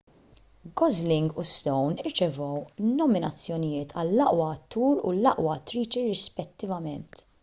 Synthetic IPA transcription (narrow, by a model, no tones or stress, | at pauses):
ɡɔzlɪŋɡust̪ɔwnɪɾt͡ʃɛvɔwnɔmɪnɐt͡sːjɔnɪjɪːt̪ʰɐlːɐʔwɐːt̪ːuːɾṵlɐʔwɐːt̪ːɾiːt͡ʃiɾɪspɛt̪ːɪvɐmɛnt̪